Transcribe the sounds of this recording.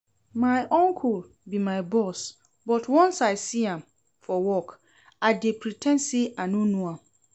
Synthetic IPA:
mãɪʔɔ̃ŋkʰul | bimãɪbɔs | bɔtwɔ̃nsaɪsiãm | fɔwɔk | adepʰɾitʰɛ̃nsiãnũnũãm

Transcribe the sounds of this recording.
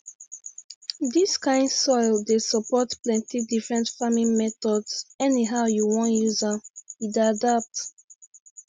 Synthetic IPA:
diskãɪ̃ndsɔɪldesɔpɔtplɛ̃ntʰidifɹɛ̃ntfamĩnmɛtɔdsɛniɦaʊjuwɔ̃njuzaidadap̚t

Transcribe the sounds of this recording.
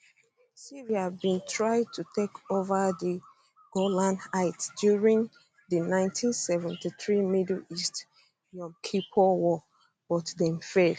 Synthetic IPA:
siɹiabĩntʰɹaɪd̚tʰutʰekʰovəðə | ɡ̥olãnaɪtdjuɹĩŋ | ðənãɪ̃ntʰĩnsɛvɛ̃ntiθɹimidl̩ist | jɔ̃mkʰipʰɔwɔ | b̥ɔtdɛ̃mfel

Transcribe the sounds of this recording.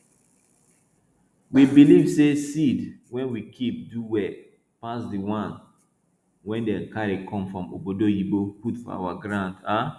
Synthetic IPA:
wibilivsesidwɛ̃nwikʰip̚duwɛ | pasdiwãn | wɛ̃ndɛ̃nkaɹekʰɔ̃mfɹɔ̃mo̰bodojiboputfɔ̰a̰waɡɹãnda

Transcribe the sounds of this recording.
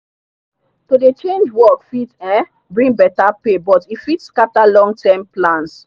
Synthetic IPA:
todet͡ʃẽnd͡ʒwɔkfitɛ̃ | bɹĩŋbɛtapebɔtifitskatalɔ̃ŋɡtʰɛmplãns

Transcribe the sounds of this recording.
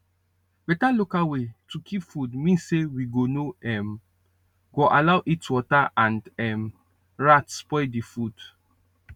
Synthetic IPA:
bɛtalukawetʰukʰipfudmĩnsewiɡonoɛm | ɡoʔalawʔitwɔtaʔãndɛm | ɹatspɔɪdifud

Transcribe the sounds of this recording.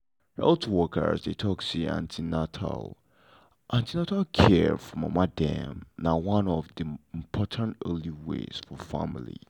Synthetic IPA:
ɛbtʰuwɔkə̰zdetʰɔksiã̰ntʰinatʰa̰lˠ | ʔãntinatʰalkʰɛfɹɔ̃ma̰madɛ̃mnawãnɔvðiɪ̃mpʰɔtʰə̃ntɜliwḛz̥fɔfa̰mɪlḭ

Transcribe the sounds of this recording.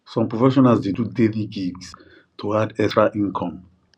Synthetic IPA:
sɔ̃mpɹɔfɛʃɔnalsdedudeviɡiɡs | tʰuadɛstɹaʔĩnkʰɔ̃m

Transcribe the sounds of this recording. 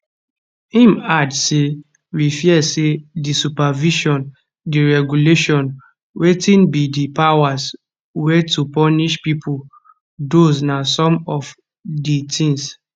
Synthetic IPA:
hĩmadse | wifjɛsedisupaviʃɔ̃n | diɹɛɡuleʃɔ̃n | wetĩnbidipawas | wɛtupɔniʃpipʰul | dosnasɔ̃mɔv | ditʰĩŋs

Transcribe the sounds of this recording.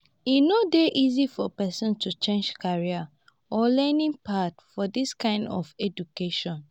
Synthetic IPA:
inodeʔizifɔpɛsɔ̃ntʰut͡ʃẽnd͡ʒkʰaɹia | ʔɔlɛnĩŋpatfɔdiskãɪ̃ndɔfɛd͡ʒukeʃɔ̃n

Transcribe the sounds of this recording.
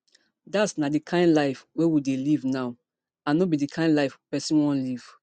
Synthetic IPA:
datsnadikʰãɪ̃ndlaɪfwewidelivnaʊ | ãnɔbidikʰãɪ̃ndlaɪfpɛsĩnwɔ̃nliv̥

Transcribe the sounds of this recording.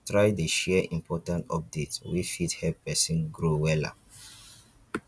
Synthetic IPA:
tɹajdeʃɛʔĩmpʰɔtãntɔ̰p̚detswifithɛlppːɛsĩnɡɹowɛla̰

